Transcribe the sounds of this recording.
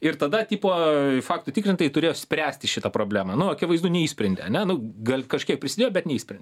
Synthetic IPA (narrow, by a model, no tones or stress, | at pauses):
ɪrt̪ɐd̪ɐtʲiːpoːfɑːk̚t̪ʊtʲɪkɾʲɪnt̪ɐjɪt̪ʊɾʲeːjoːsʲpʲɾʲæːsʲt̪ʲɪʃʲɪt̪ɐpɾoːbʲlʲæːmɐnʊɐkʲɪʋɐɪzd̪uːnʲɛiːsʲpʲɾʲɛnʲd̪ʲɛ̰ɐnʲɛnʊɡɐlʲkɐʃʲkʲiɛkpʲɾʲɪsʲɪd̪ʲeːjoːbʲɛt̪nʲɛiːsʲpʲɾʲɛndʲ